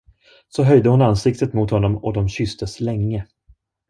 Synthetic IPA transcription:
sɔɦœjd̪əhʊnansɪkt̪ət̪mʊt̪hɔnːɔmɔd̪ɔmɕʏst̪əslɛŋːə

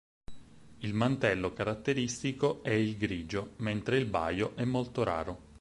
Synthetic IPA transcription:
ilmant̪ɛlːokaɾat̪ːeɾist̪ikoɛilɡɾiːd͡ʒoment̪ɾeilba̰joʔɛmːolt̪oɾa̰ːɾo

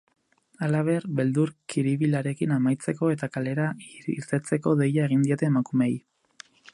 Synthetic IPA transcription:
alaβ̞e̞arβe̞ld̪uɾkiɾiβilaɾe̞kinamajt͡se̞ko̞e̞t̪akale̞ɾaḭɾt̪e̞t͡se̞ko̞ðe̞jaeɣ̞ind̪io̞t̪e̞ːmakumej

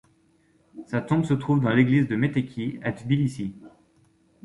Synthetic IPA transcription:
sat̪ɔ̃bsət̪χuvd̪ɑ̃leɡlizd̪əmet̪ekʲʰiat̪bilisi

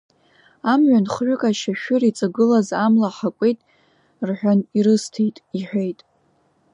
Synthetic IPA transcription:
amɥʷᶣanχʕʷᶣʊkʼaʃaʃᶣʊrit͡sʼaɡɨlazamlaħakʷʼe̞jtʼ | rħʷᶣaniɾɨstʰejtʼiħʷᶣejtʼ

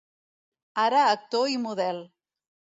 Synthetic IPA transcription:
aɾaːk̚t̪oimuðɛlˠ

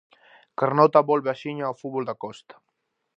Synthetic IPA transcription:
kaɾnɔt̪aβɔlβeaʃiɲaːwfuβɔld̪akɔst̪ḁ

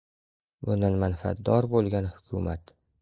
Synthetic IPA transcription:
bʊnd̪anmanfa̰t̪̚d̪ɒɾbolˠɡʲanhʊkʲʰʊmat̪

